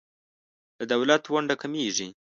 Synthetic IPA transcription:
d̪̥əd̪awlat̪waɳɖakameʐi

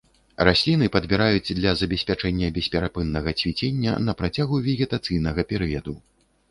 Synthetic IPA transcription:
rasʲlʲinɨpɐd̪bʲɛɾajud͡zʲd̪lʲɐzɐbʲɛsʲpʲat͡ʂɛnʲːɐbʲɛsʲpʲɛɾapɨnːɐɣɐt͡sʲvʲit͡sʲenʲːɐ̰nɐpɾat͡sʲaɣuvʲɛɣʲɛt̪at̪sɨjn̪ɐɣɐpʲɛɾɨjɐd̪u

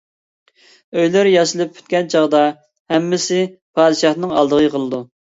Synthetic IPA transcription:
øjlɪɾjɑʃɨlˠɨp̚ːʰy̥t̪̚kʲɛnt͡ʃʰɑʁd̪ɑ | hɛmːɪsɪpʰɑːd̪ɨʃɑhnɨŋɑ̰lˠd̪əʁəqʰəlˠɨd̪u

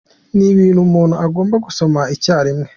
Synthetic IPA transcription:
niβiːnhumuːnhuaɡoːmbaɡuso̞maicaːɾimŋe

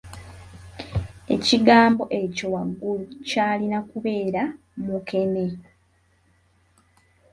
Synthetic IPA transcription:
e̞̰ciɡaːmbo̞ʔe̞co̞waɡːulucaːlinakuβe̞ːɾa | muke̞me̞

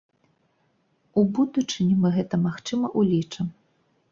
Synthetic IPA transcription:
ubud̪ut͡ʂɨnʲimɨɣɛt̪ɐmaxt͡ʂɨmɐʔulʲit͡ʂɨm

